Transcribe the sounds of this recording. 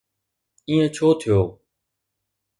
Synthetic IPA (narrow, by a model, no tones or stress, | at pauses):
ĩːẽːt͡ʃʰoːt̪ʰɪjoː